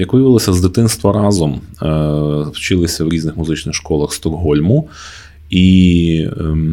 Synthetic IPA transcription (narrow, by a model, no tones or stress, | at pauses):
jɐkʋɪjɪʋɪlˠɔsʲɐzd̪ɪt̪ɪnst̪ʋɐɾɑzɔm | wt͡ʃɪlˠɪsʲɐwɾʲiznɪxmʊzɪt͡ʃnɪxʃkɔlˠɐxst̪ɔrɦɔlʲmʊ | i